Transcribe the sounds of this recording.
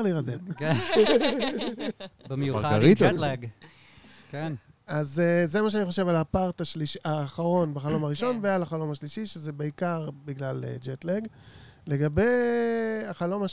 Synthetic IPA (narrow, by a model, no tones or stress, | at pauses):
liʁad̪emken | bemjaʁit̪oleɡ | kenazezemaʃeaniχo̞ʃe̞valapaʁt̪aʃliʃiaːχaʁo̞nbeχalo̞maʁiʃo̞nvealaχalo̞maʃliʃiʃezebeikaʁbiɡlalḛd͡ʒet̪leɡle̞ɡabe̞j | aχalo̞ma